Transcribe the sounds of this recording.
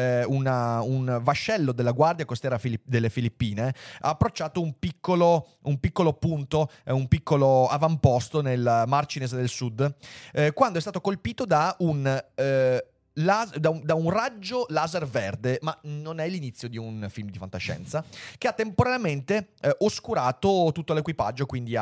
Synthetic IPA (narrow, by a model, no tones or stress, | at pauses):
unaunvaʃːɛlːod̪elːaɡward̪jakost̪ɛːɾafilid̪elːefilipːiːnea̰ːpːɾot͡ʃːaːt̪oumpikːolo | umpikːolopunt̪oumpikːoloavampɔst̪onelmart͡ʃinesd̪elsud̪ | kwand̪ɛst̪aːt̪okolpiːt̪od̪aun | lazd̪aud̪aunrad͡ʒːolaːzerverd̪emanonɛlinit̪sːjod̪iunfilmd̪ifant̪aʃːɛ̰nt̪sakeat̪ːempoɾaljament̪eʔoskuɾaːt̪ot̪ut̪ːolekwipa̰d͡ʒːokwind̪ia